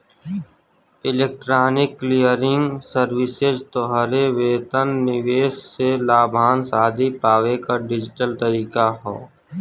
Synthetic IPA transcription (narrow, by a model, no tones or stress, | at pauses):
ɪleːk̚ʈɾaːnɪkːlijəɾɪ̃ŋɡsəɾwɪsɪzt̪oɦəɾeʋeːt̪ənːɪʋeːsselaːbʱaːnsaːd̪ʱipaːʋekaɖɪd͡ʒɪʈəlt̪əɾiːkaɦo̰ː